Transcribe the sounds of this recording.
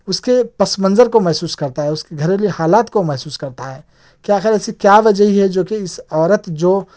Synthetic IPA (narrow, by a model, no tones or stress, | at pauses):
ʊskepɐsmə̃nzəɾkomɛɦsuːskɐɾt̪aɦɛʊskeɡʱɐɾeliehaːlaːt̪komɛɦsuːskɐɾt̪aɦɛː | kjaːxɪɾɛsikjaʋɐd͡ʒəɦiɦɛd͡ʒoːkiɪsɔːɾət̪d͡ʒoː